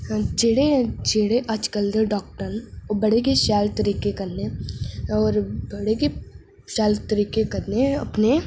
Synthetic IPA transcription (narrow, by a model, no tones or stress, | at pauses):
d͡ʒeːɽed͡ʒeːɽeʔɐt͡ʃkəld̪eɖɔːk̚ʈənobɐɽekeʃɛːlt̪əɾiːkekɐɾne | ɔːɾbɐɽeke | ʃɛːlt̪əɾiːkekɐɾneɐ̰pne